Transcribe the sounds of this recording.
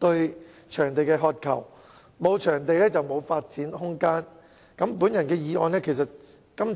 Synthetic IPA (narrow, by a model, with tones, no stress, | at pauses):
t̪ɵ˧ɥ | t͡ʃʰœː˨˩ŋt̪e˨jkɛː˧ɦɔː˧t̚kʰɐ̰˨˩w | mo˨˧wt͡ʃʰœː˨˩ŋt̪e˨jlɛː˥t͡sɐ˨wmo˨˧wfaː˧t̚t͡siː˨˥nhʊ˥ŋkaː˥n | kɐ˨˥mpuː˨˥njɐ˨˩nkɛː˧jiː˨˧ŋʔɔ̰ː˧nlɛː˥kʰe˨˩jsɐ˨t̚ | kɐ˥m